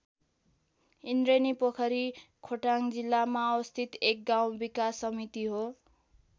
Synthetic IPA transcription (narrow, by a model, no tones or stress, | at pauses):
inɾenipʌkʰʌɾi | kʰoʈaŋd͡zilːamaʌwʌst̪ʰit̪ek̚ɡaw̃bikasːʌmit̪iɦo